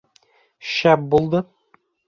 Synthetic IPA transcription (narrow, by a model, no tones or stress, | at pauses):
ʃæp̚bulˠd̪ɤ